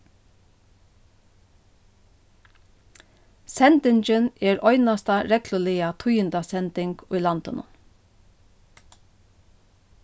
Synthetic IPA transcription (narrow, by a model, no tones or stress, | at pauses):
sɛnt̪ɪɲt͡ʃɪnɛːɾɔʏnast̪aɾɛklʊlɪat̪ʰujɪnt̪asɛnt̪ɪŋkʊjlɑnt̪ɪnʊ̰n